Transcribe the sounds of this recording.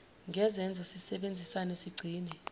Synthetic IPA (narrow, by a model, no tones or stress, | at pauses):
ŋʱɛzɛnd͡zʱɔsisɛɓend͡zʱisanesiɡ͡ǀʱiːnɛ